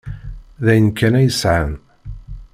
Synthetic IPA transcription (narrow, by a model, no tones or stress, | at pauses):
ðæjənkʰːænæjəsʕən